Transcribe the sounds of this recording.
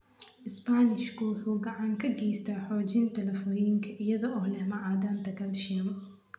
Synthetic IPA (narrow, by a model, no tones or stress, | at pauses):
ʔɪspanɪʃkʰʊwʊħuːɡɐʕɑŋkʰɐɡɛːjst̪ʰaħɔːt͡ʃɪnt̪ʰɐlɐfɔːjɪŋkʰɐʔɪjɐðɔʔɔːlɛmɑʕɑːd̪aːnt̪ʰɐɡʰɐlʃimɐ